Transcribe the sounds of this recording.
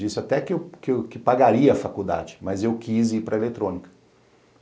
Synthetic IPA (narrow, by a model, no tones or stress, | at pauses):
d͡ʒisɪat̪ɛkɪewkɪkɪpaɡaɾiɐːfakud̪a̰d͡ʒɪmɐzewkʰiziɾpɾɐelet̪ɾõnikɐ̥